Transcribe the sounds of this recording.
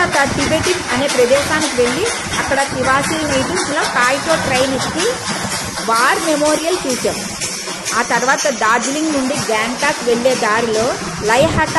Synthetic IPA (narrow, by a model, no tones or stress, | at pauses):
t̪ɐʈibeːʈiŋɐne̞ːpɾɐd̪ɛːʃaːnikiʋe̞ɭːi | ɐkːɐɽɐt̪iʋaːsiːlnɐjʈiŋsloːkaːjt̪o̞ːʈɾɐjnit͡ʃːi | ʋaːɾmemoːɾijɐlt͡ʃuːt͡ʃaːmu | aːt̪ɐɾʋaːt̪ɐd̪aːd͡ʒliŋɡnuɳɖiɡaːɳʈaːkʋeɭːeːd̪aːɾilo̞ː | lɐjɦɐʈ